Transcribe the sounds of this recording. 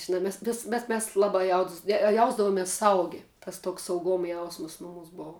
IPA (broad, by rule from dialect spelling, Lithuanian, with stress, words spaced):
ˈʒʲɪnɐ ˈmʲɛs ʋʲeːs mʲɛs ˈmʲɛs ˈlˠɑːbɑː jɛʊdʊs ˈjɛʊzdɐʋoːmʲɪs ˈsɐʊɡʲɪ tɐs ˈtoːks sɐʊˈɡoːm ˈjɛʊsmɐs ˈnʊmuːs ˈboːʋʊ